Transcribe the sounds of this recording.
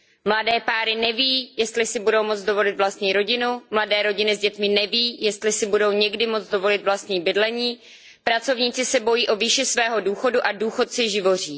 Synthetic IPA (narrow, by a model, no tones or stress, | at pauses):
mladɛːpaːɾɪnɛviːjɛst̪lɪsɪbudo̞wmot͡sdo̞vo̞lɪt̪vlast̪ɲiːɾo̞ɟɪnumladɛːɾo̞ɟɪnɪzɟɛt̪mɪnɛviːjɛst̪lɪsɪbudo̞wɲɛɡdɪmot͡sdo̞vo̞lɪt̪vlast̪ɲiːbɪdlɛɲiː | pɾat͡so̞vɲiːt͡sɪsɛbo̞jiːʔoviːʃɪsvɛːɦo̞duːxo̞duʔaduːxo̞t̪sɪʒɪvo̞r̝iː